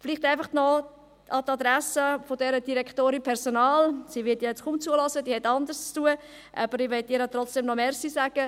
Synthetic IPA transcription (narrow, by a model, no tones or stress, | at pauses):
fliχtæɪfɑχnɔ | ɑt̪ɑd̪ɾasəfodɛɾəd̥iɾɛkχtoːɾinpʰɛɾsonaːlsiʋɪtjjɛt͡skumt͡suəlɔsəd̥iːhɛtɑndəst͡stuə | ʔɑ̰b̥əɾɪʋɛtːiɾət̪ɾɔt͡sd̥ɛmnɔmɛːɾsisaːɡ̥ə